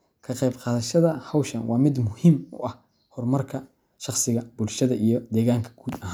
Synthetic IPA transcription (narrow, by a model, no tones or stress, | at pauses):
kʰɐqɛjbqɑːðɐʃɐðɐhɐwʃɐnwɑːmɪd̪mʊhimʊ̰ʔɐh | hɔrmɐrkʰɐ | ʃɑχsɪɣɐb̥ʊlʃɐðɐʔijɞd̪ɛːɣaːŋkʰɐ̥ɡ̥uːd̪ɐɦaːn